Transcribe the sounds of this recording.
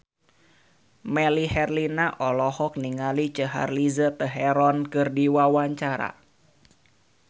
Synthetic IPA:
mɛlihɛrlinaʔɔlɔhɔk̚niŋalit͡ʃəɦa̰rlizət̪əɦɛɾɔnkɨrdiwawaɲt͡ʃaɾa̰

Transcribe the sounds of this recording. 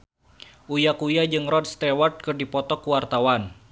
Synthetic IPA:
ʔujakujad͡ʒɨŋrɔd̚st̪ɛwart̪̚kɨrdipɔt̪ɔkuwart̪awan

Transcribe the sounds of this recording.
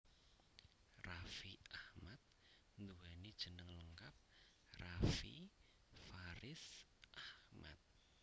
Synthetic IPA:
rafiahmat̪̚ | nd̪uanid̥ʒ̥ə̤nəŋləŋkap̚ | rafḭ | faɾɪsʔahma̰t̪̚

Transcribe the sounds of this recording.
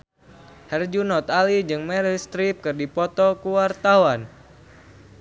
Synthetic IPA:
hɛrd͡ʒunɔt̪alid͡ʒɨŋmɛɾist̪ɾip̚kɨrdipɔt̪ɔkuwart̪awan

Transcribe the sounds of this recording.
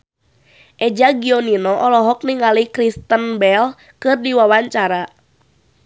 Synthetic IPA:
ʔɛd͡ʒaɡiɔninɔʔɔlɔɦɔk̚niŋalikɾist̪ənbɛl | kɨrdiwawaɲt͡ʃaɾa

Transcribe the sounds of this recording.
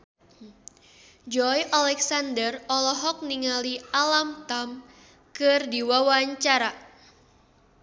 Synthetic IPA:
d͡ʒɔjʔalɛksandərɔlɔɦɔk̚niŋalialamt̪am | kɨrdiwawaɲt͡ʃaɾa

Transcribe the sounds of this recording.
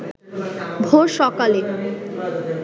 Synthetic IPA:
bʱoɾʃɔkale

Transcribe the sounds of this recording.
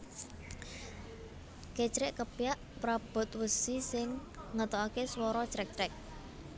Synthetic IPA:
ket͡ʃɾɪʔkəpijaʔpɾab̥ɔ̤t̪̚wəsisɪŋːət̪ɔakeswɔɾɔt͡ʃɾɛk̚t͡ʃɾɛk̚

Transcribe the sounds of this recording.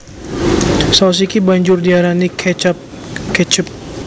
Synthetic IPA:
saws̬ikibaɲd͡ʒʊrdiaɾanikʰɛt͡ʃp | kɛt͡ʃəp̚

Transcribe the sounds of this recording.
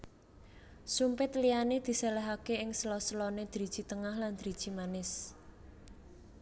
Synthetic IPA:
sumpɪt̪lianed̪̥i̤sɛlɛɦakeɪŋslɔsəlɔned̪̥ɾid̥ʒ̥i̤t̪əŋahland̪̥ɾid̥ʒ̥i̤manɪs

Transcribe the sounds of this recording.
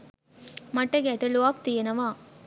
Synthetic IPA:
mɐʈːɐɡɛʈɐluaːk̚t̪ijɐnɐʋaː

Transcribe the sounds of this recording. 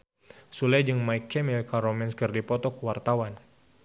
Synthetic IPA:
sulɛd͡ʒɨŋmajkːɛmilkaɾɔmɛnskərdipɔt̪ɔkuwart̪awan

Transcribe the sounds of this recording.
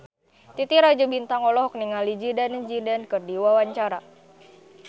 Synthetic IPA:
t̪it̪iɾad͡ʒubint̪aŋɔlɔɦɔk̚niŋalid͡ʒidand͡ʒidankɨrdiwawaɲt͡ʃaɾa

